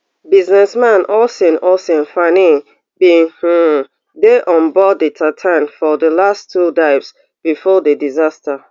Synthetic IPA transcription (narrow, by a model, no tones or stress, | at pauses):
biznɛsmãnʔɔsɛ̃nɔsɛ̃nfanĩ | bih̩ | deʔɔ̃nbɔdətʰatʰãnfɔdəlastʰːudaɪps | b̥ifɔdədizastə